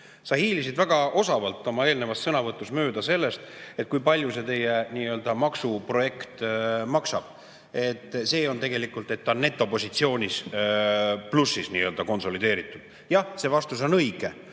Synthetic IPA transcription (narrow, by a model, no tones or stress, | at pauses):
sɑhiːlisid̪væɡ̥ɑo̞sɑvɑlt̪ːˑo̞mɑe̞ːlne̞vɑssɤnɑvɤt̪ˑːusmøːd̪̥ɑse̞lːe̞st̪e̞t̪̚ːˑkujpɑlʲjuse̞t̪e̞jeniːø̞ld̪̥ɑmɑksupro̞je̞kt̪mɑksɑb̥̚ | e̞t̪ːˑse̞ːo̞nt̪e̞ɡe̞likˑult̪ˑe̞t̪ːɑnːe̞t̪ːˑo̞po̞sit̪sio̞ːnʲis | plusːisniːøld̪ɑko̞nso̞lid̪e̞ːɾit̪ːˑud̪̥ | jɑhse̞ːvɑst̪uso̞nɤjɡ̥e̞